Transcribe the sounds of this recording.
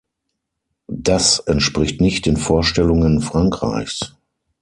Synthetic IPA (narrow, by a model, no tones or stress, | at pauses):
d̥asɛntʃpʁ̥ɪçtnɪçt̚d̥eːnfoːɐʃtɛlʊŋənfʁ̥aŋkʁ̥a̰ɪçs